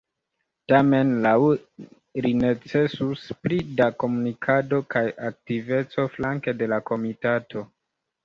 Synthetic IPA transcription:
tame̞nlaw | line̞t͡se̞suspɾidako̞munikʰado̞kajʔak̚tive̞t͡so̞flaŋkede̞lako̞mitatʰo̞

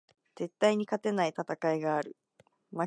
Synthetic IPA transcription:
z̥e̞t̪ːaiɲ̟ikat̪e̞nait̪at̪akaiɡaːɾɯ̟ | ma

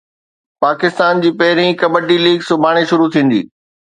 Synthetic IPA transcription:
paːkɪst̪aːnd͡ʑiːpɐɦɪɾĩkɐbəɖiliːɡsʊbʱaːɽ̃eʃʊɾut̪ʰĩːn̆d̪ḭː

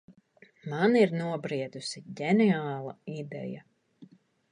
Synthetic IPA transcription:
maniɾnuɔbɾiɛd̪usiɟɛniaːlˠɐid̪ɛ̰ja̰

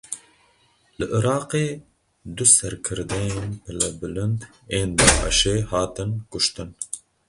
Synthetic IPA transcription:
lɨʔɨɾɑːqeː | d̪usɛɾkʰɨɾd̪ɛjeːnpɨlɛbɨlɨnd̪ | eːnd̪ɑːʔɨ̰ʃeːhɑːt̪ɨnkʊʃt̪ɨn

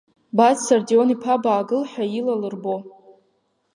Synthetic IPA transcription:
bazsardionipʰabaːɡɨlħajilalɨrbo

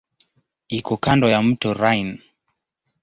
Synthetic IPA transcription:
ikɔkandɔjam̩tɔɾajn

